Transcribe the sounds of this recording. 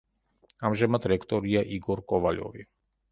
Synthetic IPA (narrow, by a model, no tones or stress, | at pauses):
amʒɛmat̪ɾɛkt̪ɔɾijaʔiɡɔɾkɔʋaʎɔ̰vi